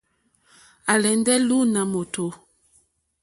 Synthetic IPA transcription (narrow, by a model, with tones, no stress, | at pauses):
a˨lɛ˨ndɛ˦lu˦na˨mo˨to˨